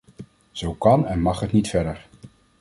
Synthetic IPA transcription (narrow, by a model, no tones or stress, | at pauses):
z̥owkɑnɛnmɑχɦətnitfɛɹdəɹ